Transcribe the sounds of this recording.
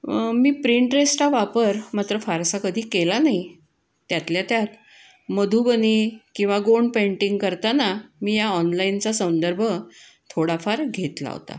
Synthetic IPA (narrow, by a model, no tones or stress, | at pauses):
miːpɾiɳʈɾesʈaʋapəɾmat̪ɾəfaɾsakəd̪ʱiːkelanaj | t̪jat̪ljat̪jat̪ | məd̪ʱubənikĩw̃ʋaɡoɳɖpeɳʈiŋɡkəɾt̪anamiːjaɔnlaint͡sasəw̃nd̪əɾbʱə | t̪ʰoɽafaɾɡʱet̪la̰ɦo̰t̪a̰